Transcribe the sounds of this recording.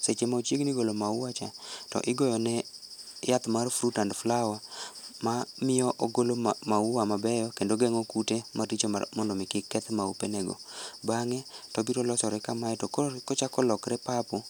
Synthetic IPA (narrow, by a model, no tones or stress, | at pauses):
set͡ʃemaut͡ʃjeɡniɡolomauwat͡ʃatɔ̰ʔɪɡɔjɔnɛjat̪marfɾutandflawamamɪɔʔoɡolomauwamabɛjɔkendoɡɛŋɔkutemʔatit͡ʃoa̰mɔndɔmɪkɪkːɛt̪maupenɛɡo̰baŋɛtɔbiɾɔlɔsɔɾɛkamajɛtɔkɔt͡ʃakɔlɔkɾɛpapo